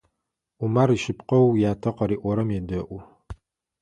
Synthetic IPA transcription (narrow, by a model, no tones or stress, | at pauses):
umaɾiʃɪpqɐwjaːtʰɐqɐɾiːʔʷɔɾɐmjɛdɐʔʷʊ